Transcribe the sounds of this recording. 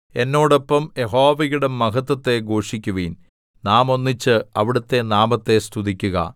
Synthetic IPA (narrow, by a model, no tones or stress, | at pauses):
e̞nːo̞ːɽo̞pːɐmje̞ɦo̞ːʋɐjuɽemɐɦɐt̪ːɐt̪ːe̞ɡoːʂikʲːuʋiːn | naːmo̞nːit͡ɕːɨɐʋiɽɐt̪ːe̞naːmɐt̪ːe̞st̪ʰuðikʲːuɣɐ̰